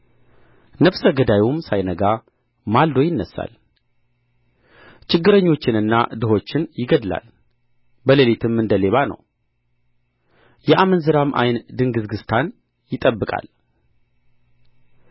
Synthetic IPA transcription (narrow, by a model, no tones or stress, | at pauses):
nəfsəɡəd̪ajumsajnəɡa | mald̪o̞jɪnːəsːa̰l | t͡ʃɪɡːɨɾəɲːo̞t͡ʃːɪnɨnːa̰d̪ɨɦot͡ʃːɪnjɪɡəd̪la̰l | bəlelit̪ʰɨmɨnd̪əle̞βanə̰w | jɛʔamənzɨɾamʔa̰jnd̪ɨŋɡɨzɡɨst̪ʰan | jɪt̪ʼəbːɨkʼa̰l